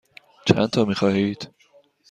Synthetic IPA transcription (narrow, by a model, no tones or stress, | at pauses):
t͡ʃʰæ̰nt̪ʰɒːmiːxɒːɦiːd̪̥